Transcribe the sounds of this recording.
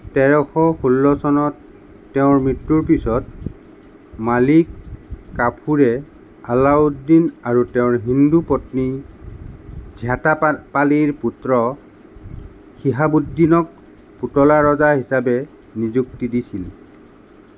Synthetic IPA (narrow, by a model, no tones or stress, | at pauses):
tɛɹɔxɔxulːɔsɔnɔtː | ɛʊ̃ɹmɹitːuɹpisɔt̚ | malikːapʰuɹɛ | alaudinaɹutɛʊ̃ɹɦindupɔtni | zʱatapaliɹputɹɔ | xiɦabudːinɔk̚ | putɔlaɹɔzaɦisabɛ | nizuk̚tidisil